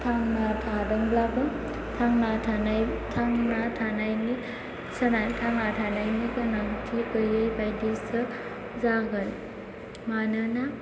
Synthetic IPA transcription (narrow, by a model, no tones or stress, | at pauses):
tʰaŋnatʰadɯŋblabɯ | tʰaŋnatʰanajtʰaŋnatʰanajni | sanantʰaŋnatʰanajnikɯnaŋtʰikɯjajbajdisɯ | zaɡɯn | manɯna